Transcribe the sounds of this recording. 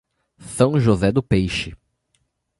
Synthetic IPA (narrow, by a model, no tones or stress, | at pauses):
sɐ̃w̃ʒozɛd̪ʊpejʃɪ